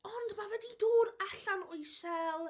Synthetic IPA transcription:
ɔndmavɛdiduːɾɛɬanʊjʃɛlˠ

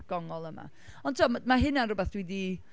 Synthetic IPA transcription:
ɡ̥ɔŋɔlˠəma̰ | ɔntʰɔmmaɦɪnanrʊbɛθd̥wɛdi

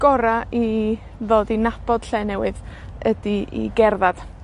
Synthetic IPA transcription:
ɡ̥ɔɾai | ðoːdinab̥ɔd̥ɬɛːnɛwɨðədiʔḭɡɛrðad̥

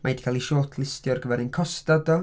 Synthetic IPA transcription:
majd̥kʰalˠiʃɔːtʰlˠɪstjɔrɡəvɛɾənkʰɔstadɔ

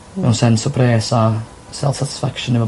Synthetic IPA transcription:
ɛwnsɛnsɔpʰreːsa | sɛ̰lˠsatɪ̥sfakʃə̃nɪvə

